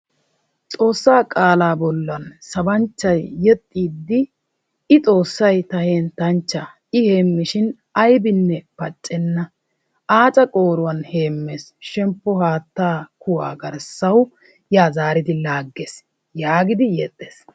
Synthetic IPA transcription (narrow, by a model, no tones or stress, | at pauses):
t͡sʼo̞ːsːaːkʼaːlaːbɔlːɐnsɐbɐnt͡ʃːɐjːɛt̪ʼːiːd̪ːɪ | ɪt͡sʼo̞ːsːɐjt̪ɐheːnt̪ɐnt͡ʃːa | ɪhe̞ːmːɪʃɪn | ɐjbɪnːɛpɐt͡ʃʼːɛnːɐ | aːt͡sʼɐkʼo̞ːɾʊwɐnhe̞ːmːeːsʃɛmpːɔɦaːt̪ːaːkʊwa̰ːɡɐɾsːɐw | jaːzaːɾɪd̪ɪlaːɡːeːs | jaːɡɪd̪ɪjɛt̪ʼːeːs